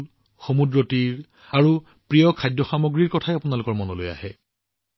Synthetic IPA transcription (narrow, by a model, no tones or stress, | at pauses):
l | xomudɹotiɹ | aɹu | pɹijɔkʰajdjɔxamoɡɹiɹkɔtʰajapunalʊkɔɹmɔnoloja̰hɛ